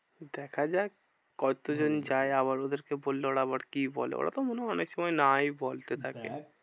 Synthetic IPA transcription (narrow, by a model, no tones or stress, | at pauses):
d̪ɛkʰad͡ʑae | kɔt̪od͡ʑond͡ʑaeaβaɾod̪eɾkebolːeoɽaabaɾkibɔ̰lḛo̰ɽa̰t̪omonenekʃɔmɔenajbolt̪et̪ʰakḛ